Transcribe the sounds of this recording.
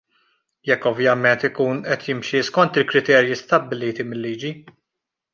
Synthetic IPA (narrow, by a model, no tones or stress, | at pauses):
jɛkːɔvjɐmɛnt̪ɪkuːnʔɛt̪ʰjɪmʃiskɔnt̪ɪlkɾɪt̪ɛːɾjist̪ɐbːɪliːt̪imɪlːiːd͡ʒi